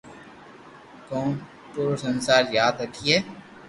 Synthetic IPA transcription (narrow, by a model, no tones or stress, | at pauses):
koːn | puːɾosɐnsaːɾjaːd̪ɾəkʰiɦɛː